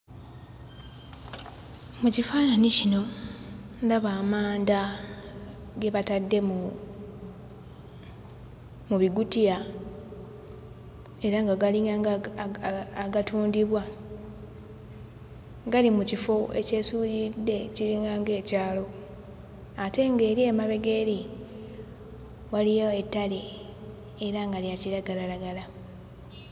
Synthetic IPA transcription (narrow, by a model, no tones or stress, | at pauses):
mucifaːnanicino̞ | ndaβaːmaːnda | ɡe̞βatadːe̞mu | muβiɡutija | e̞ɾaŋɡaɡaliŋɡaŋɡ | aɡatuːndiβwa | ɡalimucifo̞ḛce̞ːsuɾidːe̞ciɾiŋɡaŋɡe̞ːcaːlo̞ | ate̞ŋɡe̞ːɾiemaβe̞ɡeːɾi | walijoetːaleː | ɾaŋɡalijaciɾaɡalalaɡala